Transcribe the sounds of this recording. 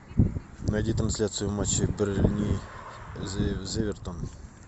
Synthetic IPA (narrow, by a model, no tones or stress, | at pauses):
nɐjd̪ʲit̪ɾɐnsʲlʲat̪sɨjʊmat͡ɕːɪbɾlʲnʲi | zʲevʲɪrt̪on